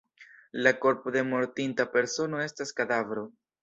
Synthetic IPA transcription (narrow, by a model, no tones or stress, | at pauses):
lako̞ɾpod̪e̞mo̞ɾtintape̞ɾso̞no̞e̞staskad̪avɾo̞